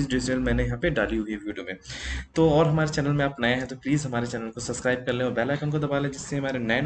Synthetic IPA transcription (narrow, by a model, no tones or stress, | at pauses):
sɖiːseːlmɛ̃ːnejɐɦãpeɖaːliɦuiʋiːɖijomẽt̪oɔːɾɦɐmaːɾet͡ʃɛːnəlmẽaːpnaːjaɦɛt̪opliːzɦɐmaːɾet͡ʃɛːnəlkosɐbskɾaːɪb̚kɐɾlẽɔːɾbɛːlakɐmkad̪ɐbaːlɦɛd͡ʒɪsːeɦɐmaːɾenɛːn